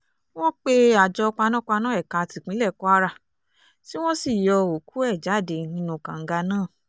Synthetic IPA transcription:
w̃ɔ̃˦k͡pe˧˦a˨d͡ʒɔ˧k͡pa˧nã˦k͡pa˧nãː˦ɛ˦˨ka˧˨ti˨k͡pĩ˨˦lɛ˦˨kɔ˦a˦ɾa˧˨ | ti˦w̃ɔ̃˦si˦˨jɔ˧o˨ku˨˦ɛ˦˨d͡ʒa˨˦˨de˧˨nĩ˦nũ˧kã̰˨ŋ̩˦ɡa˧nãː˦˨

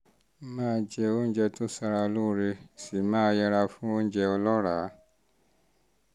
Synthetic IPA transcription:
mãː˦d͡ʒɛ˧o˦n̩˦d͡ʒɛ˧to˦sa˧ɾa˧lu˦˧ɾe˧si˨˦mãː˦jɛ˧ɾa˧fũ˦o˦n̩˦d͡ʒɛ˧ɔ˧lɔ˦ɾa˨˦

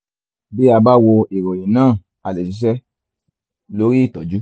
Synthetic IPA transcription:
bi˦a˧ba˦wo˧i˨ɾo˨ji˨nãː˦˨ | a˨le˨si˨˦ʃ̬ɛ˦ | lo˨˦ɾi˦i˦˨tɔ˨d͡ʒu˦

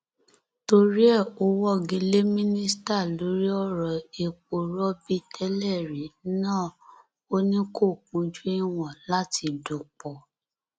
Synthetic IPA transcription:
to˧ɾi˦ɛ˦˨o˧˦wɔ˦˨ɡĩ˧le˦mĩ˦nĩ˦sta˦˨lo˨˦ɾi˦ɔ˦ɾɔ˨e˨k͡po˨ɾɔ˦bi˦tʰɛ˦lɛ˦˨ɾe˨˦nãː˦˨ | o˦nĩ˦ko˦˨k͡pũ˨˧d͡ʒu˦i˦w̃ɔ̃˨la˨˦ti˧do˨k͡pɔ˨

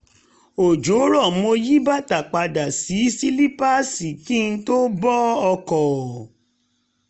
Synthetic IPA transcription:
o˨d͡ʒo˨˦ɾɔ˦˨˦o˧ji˦ba˦˨ta˨k͡pa˧da˨si˨˦si˦li˦pa˦si˨ki˦˧n̩˦to˦bɔ˦ɔ˧kɔ˨

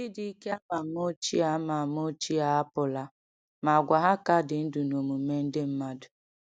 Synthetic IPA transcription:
i˦di˦i˦ke˦a˦ma˨m˦o˦t͡ʃi˦a˦ma˨m˦o˦t͡ʃi˦a˨˦a˦pʊ˨la˦ | ma˨ɡʷa˨ɦa˦ka˦dɪ˨n̩˦du˨no˨mu˨me˦n̩˦dɪ˦m̩˦ma˦dʊ˨

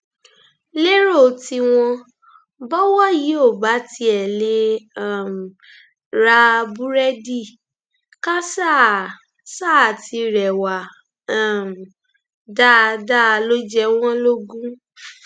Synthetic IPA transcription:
le˦ɾo˦˨ti˧w̃ɔ̃˧ | bɔ˦wɔ˦ji˨˦o˦˨ba˨˦ti˧˦ɛ˨le˧a˦˨m˨ | ɾa˧bu˦ɾɛ˦di˦˨ | ka˦sa˦˨ | sa˦˨ti˧ɾɛ˨wa˨˦˨ | m˨ | da˦˧da˦˧lo˦d͡ʒɛ˧w̃ɔ̃˦lo˦ɡũ˦

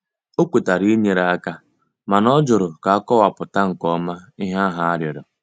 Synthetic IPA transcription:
o˦kʷu˨ta˨ɾi˦i˦ɲe˨ɾa˨a˦ka˦ | ma˨nɔ˦d͡ʒʊ˨ɾʊ˨ka˨a˦kɔ˦wa˨pʊ˨ta˦ŋ̩˨kɔ˦ma˦ɪ˦ɦa˦ɦa˦a˦ɾjɔ˨dɔ˨

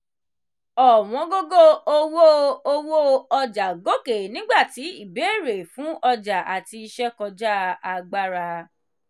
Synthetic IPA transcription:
ɔ˨w̃ɔ̃˨˧˦ɡo˦ɡo˦o˧wo˦o˦˧wo˦ɔ˧d͡ʒa˨ɡo˦ke˨nĩ˦ɡ͡ba˦˨ti˨˦i˦˨be˨˦˨ɾe˨fũ˨˦ɔ˧d͡ʒa˨a˨ti˧i˧ʃɛ˦kɔ˧d͡ʒa˦a˧ɡ͡ba˦ɾa˧

